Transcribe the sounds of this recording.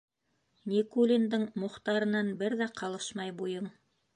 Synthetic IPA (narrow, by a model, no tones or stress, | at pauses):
nʲikulʲind̪ɤɴmŏχt̪ɑɾɤ̆nɑnbɘɾðæqʰɑlˠɤʃmɑjbujɤɴ